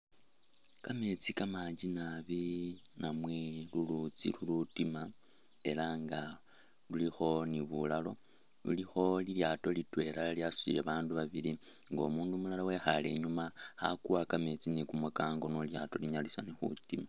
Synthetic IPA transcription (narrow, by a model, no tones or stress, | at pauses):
kamet͡sikamaɲd͡ʒinaβinamwe̞lulut͡sḭlulutima | e̞laŋɡa | lulixo̞niβulalo̞ | lṵlixo̞liljaːto̞litwe̞laljasu̥ḭleβaːnduβaβili | ŋɡo̰muːndumulalawe̞xale̞̰ɲumahakuwakame̞t͡sinikumakaːŋɡo̞noljato̞liɲalisanexṵtima